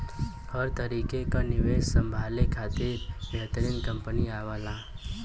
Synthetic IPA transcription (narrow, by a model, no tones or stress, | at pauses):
həɾt̪əɾiːkekanɪʋeːʃsə̃mbʱaːlekʰaːt̪iɾbɛɦt̪əɾiːnkə̃mpəniaːʋaːlaː